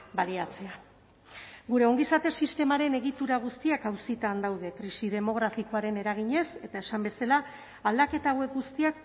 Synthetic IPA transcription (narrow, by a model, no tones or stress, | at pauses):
baliat͡se̞a | ɡuɾe̞o̞ŋɡisat̪e̞sist̪e̞maɾe̞ne̞ɣit̪uɾaɣ̞ust̪iakawsit̪and̪awð̞e̞kɾisið̞e̞mo̞ɣ̞ɾafiko̞aɾe̞ne̞ɾaɣ̞iɲe̞se̞t̪ae̞sambe̞salaː | ld̪ake̞t̪awe̞kɡust̪iak̚